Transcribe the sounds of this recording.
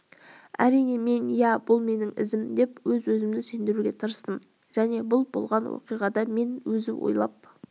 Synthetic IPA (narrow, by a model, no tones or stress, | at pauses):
æ̰ɾijne̞me̞njæbʊlˠme̞nɪŋɪ̰zɪmd̪e̞pwɵzwɵzɪmd̪ɪse̞nd̪ɪɾuɡʲe̞t̪ʰəɾəst̪əm | ʒ̥æne̞bʊlˠbo̰lˠʁɑnwo̰qijʁɑd̪ɑme̞nwɵzɪwʔo̰jlˠɑp̚